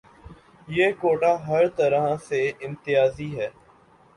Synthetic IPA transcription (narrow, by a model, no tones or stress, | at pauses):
jeːkoːʈaːɦɐɾt̪əɾaɦãseɪ̃mt̪ɪjaːziɦɛː